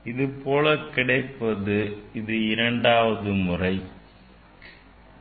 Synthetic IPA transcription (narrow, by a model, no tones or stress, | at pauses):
ɪðɯpoːlɐkɪɽɐɪpːɐðɯɪðɯɪɾɐɳɖaːʋɐðɯmʊrɐɪ